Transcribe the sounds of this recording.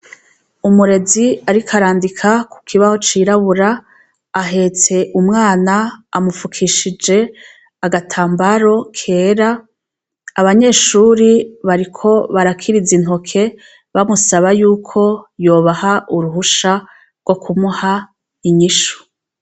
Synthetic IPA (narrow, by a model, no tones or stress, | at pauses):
umuɾe̞ziaɾikʰaɾaːndikʰaku̥kʰiβaho̞t͡ʃiːɾaβuɾaː | ɦe̞t͡se̞ʔumŋaːnaːmufukʰiʃid͡ʒe̞ | aɡatʰaːmbaɾo̞kʰe̞ːɾaː | βaɲe̞ːʃuːɾiβaɾikʰo̞βaɾakʰiɾizin̥ho̞kʰe̞ | βamusaβajuːkʰo̞jo̞ːβahaʔuɾuɦuʃa | ɾɡ̥o̞kʰumuha | iɲiʃu̥